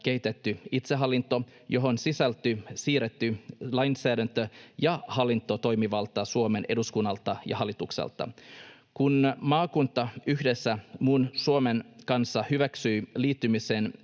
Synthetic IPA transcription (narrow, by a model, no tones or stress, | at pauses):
ke̞it̪et̪ːyit̪seɦɑlːint̪ːˑo̞ | jo̞ɦo̞nsisælt̪ːysiːret̪ːylɑjnsæːdænt̪øjɑhɑlːint̪ːˑot̪o̞jmiʋɑlt̪ɑsuome̞ne̞̰duskunːɑlt̪ːɑjɑ̰hɑlːˑit̪uksḛlt̪ːˑɑ̰ | kunmɑːkunt̪ːɑyhdesːæmunsuomenkɑnsːɑhyʋæksyjliːt̪ːymiseːn